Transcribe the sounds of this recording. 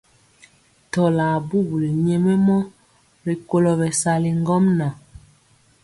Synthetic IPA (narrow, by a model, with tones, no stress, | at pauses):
tɔ˨la˨bu˦˨bli˨ɲɛ˦mɛ˦mɔ˦ | ɾi˨ko˦lɔ˨βɛ˨sa˨li˨ŋ˦ɡɔ˦mna˨